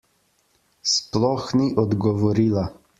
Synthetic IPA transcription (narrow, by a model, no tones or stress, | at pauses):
splɔxniʔɔd̪ɡɔʋɔɾiːla